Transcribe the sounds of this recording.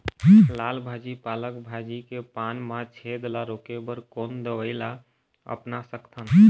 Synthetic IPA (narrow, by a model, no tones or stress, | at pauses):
laːlbʱad͡ʒipaləkbʱad͡ʒikepanmat͡ʃʰed̪laɾokebəɾkond̪əʋəɪla | ə̰pnasəkt̪ʰən